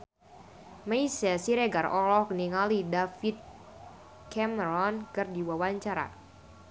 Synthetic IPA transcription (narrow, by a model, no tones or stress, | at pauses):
maisɛsiɾeɡarɔlɔhkniŋalidafit̪̚ | kɛməɾɔnkɨrdiwawaɲt͡ʃaɾa̰